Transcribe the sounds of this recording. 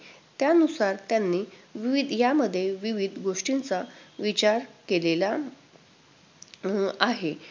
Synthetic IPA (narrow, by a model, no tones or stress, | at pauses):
t̪janusaɾt̪janːiːʋiʋid̪ʱjaməd̪ʱːjeʋiʋid̪ʱɡoʂʈint͡saʋit͡ɕaɾkelela | aɦe